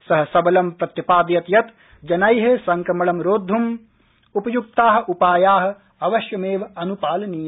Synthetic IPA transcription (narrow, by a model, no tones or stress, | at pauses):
sɐɦɐ̆sɐbɐlɐmpɾɐt̪jipaːd̪jɐt̪jɐt̪ | d͡ʒɐnɐjɦesɐŋkɾɐmɐɭɐmɾoːd̪ʱːum | upɐjuk̚t̪aːɦɐ̆ʔupaːjaːɦɐ̆ | ɐʋɐʃjɐmeːʋɐɐnupaːlɐniːj